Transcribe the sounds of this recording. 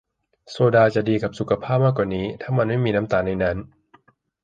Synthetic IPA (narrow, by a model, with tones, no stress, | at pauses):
soː˧daː˧t͡ɕa˨˩diː˧ka˨˩p̚su˨˩kʰa˧pʰaː˥˩p̚maː˥˩kwaː˨˩niː˦˥t̪ʰa˥˩ŋma˧nma˥˩jmiː˧na˦˥mt̪aː˧˩na˧jna˦˥n